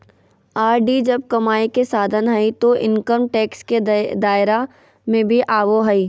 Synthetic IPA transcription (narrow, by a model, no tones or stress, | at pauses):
aːɾɖid͡ʒɐb̚kɐmaːikesaːd̪ʱənɦɐit̪oʔɪ̃nkəɾmʈɛːksked̪aːɪɾa | mẽbʱiʔaːʋoɦɐi